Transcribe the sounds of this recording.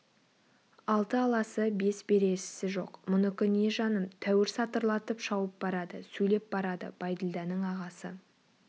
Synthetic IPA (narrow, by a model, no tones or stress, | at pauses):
ɑlˠt̪əɑlˠɑsəbe̞sbe̞ɾe̞ʃɪ̥sɪʒo̞̰qmʊnəkʲɪne̞ʒɑnəmt̪ʰæwɪɾsɑt̪əɾlˠɑt̪əpʃɑwəp̚bɑɾɑd̪əsɵjle̞p̚bɑɾɑd̪ə̰b̥ɑjd̪əlˠd̪ɑnəɴɑʁɑsə